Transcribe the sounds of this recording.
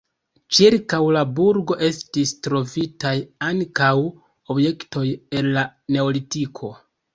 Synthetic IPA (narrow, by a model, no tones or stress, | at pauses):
t͡ʃiɾkawlabuɾɡo̞ʔe̞stistɾo̞vitajaŋkaw | o̞bje̞kto̞je̞nlane̞o̞litikʰo̞